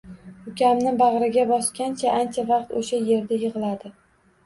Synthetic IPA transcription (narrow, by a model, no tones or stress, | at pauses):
ʊkʲamnɪbɑʁɾɪɡʲabɒskʲant͡ʃʰaʔant͡ʃʰavɑqt̪oʃaje̞ɾd̪ajɨʁɨlˠad̪ɪ